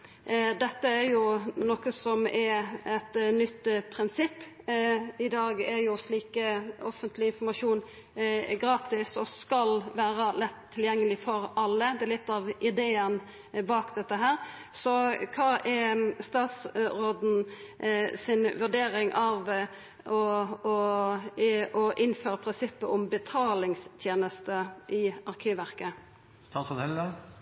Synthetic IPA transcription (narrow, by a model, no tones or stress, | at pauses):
d̪ɛt̪ːəæɾjʊnɔkəsɔmɛɾɛt̪nʏt̪ːpʰɾɪnsɪpː | ɪd̪ɑːɡæɾjʊsliːkəɔfənt̪lɪɪnfɔɾmɑʂuːn | ɡɾɑːt̪ɪsɔskɑlʋæːɾɑlɛt̪ʰːɪljɛŋːəlɪfɔɾɑlːəd̪ɛæɾlɪt̪ːɑʋʔɪd̪eːən | bɑːkd̪ɛt̪ːəɦæːɾ | sɔkʰɑːʔɛst̪ɑːt̪sɾoːd̪n̩ | sɪnʋʉɖeːɾɪŋʔɑʋ | ɔɔ | ɔʔɪnføːɾəpʰɾɪnsɪpːəʔɔmbət̪ʰɑːlɪŋst̪ʰjeːnəst̪əʔɪɑɾkʰyːʋæɾkə | t̪ʰɑkfɔhɛlɑ